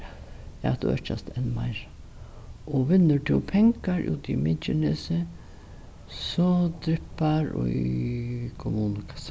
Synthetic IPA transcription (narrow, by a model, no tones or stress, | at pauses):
td̪ṵœ̰t͡ʃa̰st̪ɛnma̰ɪɾ | ɔʋɪnːəʈʰɪlpʰɛŋkaɾʔʉ̰ːt̪ḭmɪt͡ʃɪnesə | sɔd̪ɾɪpaɾɔ̰ | kʰɔmuːnəkʰḁs